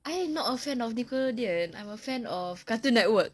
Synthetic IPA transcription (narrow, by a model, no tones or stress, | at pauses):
ʔajɛ̃mnɔtəfɛ̃nɔfnikədiə̃nã̰j̃məfɛ̃nɔfkatũnɛt̚wək̚